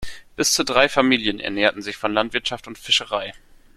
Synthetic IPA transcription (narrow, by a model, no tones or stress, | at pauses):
b̥ɪst͡sudʁaɪfamiːljənɛ̰ɐneːɐtn̩zɪçfɔnlantv̥ɪɐtʃaftʊntfɪʃəʁaɪ